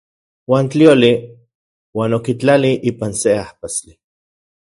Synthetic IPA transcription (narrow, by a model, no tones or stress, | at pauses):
waːnt͡ɬioli | waːnokit͡ɬaliʔiːpanseahpast͡ɬi